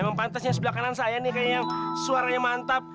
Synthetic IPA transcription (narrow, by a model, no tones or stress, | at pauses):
məmpant̪asɲas̬əbəlakanansajanikajajaŋsuaɾaɲamant̪ap̚